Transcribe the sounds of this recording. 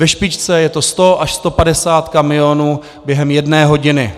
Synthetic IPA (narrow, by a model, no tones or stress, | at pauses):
vɛʃpɪt͡ʃt͡sɛjɛt̪o̞st̪o̞ʔaʃst̪o̞padɛsaːt̪kamɪjo̞nuː | bjɛɦɛmjɛdnɛːɦo̞ɟɪnɪ